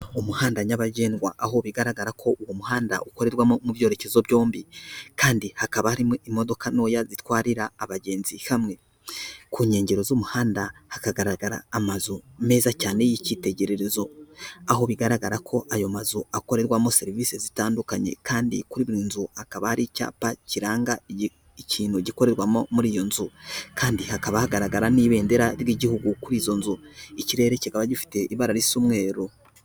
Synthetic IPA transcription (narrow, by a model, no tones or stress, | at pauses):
umuhaːndaɲaβaɟe̞ːnwaʔaɦo̞βiɡaɾaɡaɾakʰo̞ʔuwumuɦaːnda̰ʔuko̞ɾe̞ɾwamomuvjo̞ːɾe̞ce̞zo̞βjo̞ːmbikaːndihakaβahaɾimeimo̞do̞kano̞ːjazitwaːɾiɾaːβaɟe̞ːnzihamŋe̞ | kuːɲe̞ːɲɟe̞ɾo̞zumuhaːndahakaɡaɾaɡaɾa̰ːmazume̞ːzacaːne̞jicite̞ɟe̞ɾe̞ɾe̞zo̞aɦo̞βiɡaɾaɡaɾakʰo̞ʔajo̞mazuako̞ɾe̞ɾwamo̞se̞ɾiviːsezitaːndukaɲe̞̰kaːndḭkuɾiːβiɾiːnzuhakaβahaɾica̰ːpaciɾaːŋɡa | iciːnhuɟiko̞ɾe̞ɾwamomuɾiːjo̞nzukʰaːndihakaβahaɡaɾaɡaɾaniβe̞ːnde̞ɾaɾɡiːɟihuɡukuɾiːzo̞nzuiciɾe̞ːɾe̞ciɡaβaɟifi̥te̞ʔiβaɾaɾisumŋe̞ːɾo